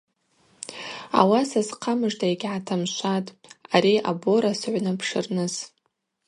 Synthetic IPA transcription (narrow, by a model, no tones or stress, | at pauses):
a̰wasazqʰamɨʐdajɡʲʕatʰamʃʷatʼaɾia̰boɾasɨʕʷnɨpʰʂɨrnɨz